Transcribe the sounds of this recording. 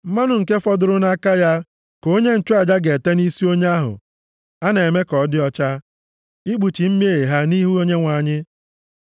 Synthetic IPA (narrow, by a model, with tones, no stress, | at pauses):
m̩˦ma˦nʊ˨ŋ̩˨ke˦fɔ˦dʊ˨ɾʊ˦na˦ka˦ja˦ | ko˦ɲe˦n̩˨t͡ʃʊ˦a˨d͡ʒa˦ɡe˨te˦ni˦si˦o˦ɲ˦a˦ɦʊ̰˨ | a˦ne˨me˦kɔ˨˦dɪ˦ɔ˦t͡ʃa˦ | i˦ɡ͡bu˨t͡ʃi˨m̩˦m˦e˦˨ɦa˦ni˦ɦu˦o˦ɲe˦ŋʷa˨ɲɪ˦